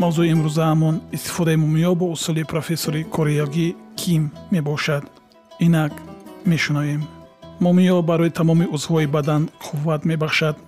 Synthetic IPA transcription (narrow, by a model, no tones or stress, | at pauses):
mavzuiːmɾuzahamɔnist̪i̥fɔd̪aimɔmijɔbɔusulipʰɾofe̞soɾikʰɔɾejɔɡikʰimːe̞bɔʃad̪ | inakme̞ʃunavemmɔmiɔbaɾɔit̪ʰamɔmiuzhɔibad̪anqʰuvːat̪me̞baχʃad̪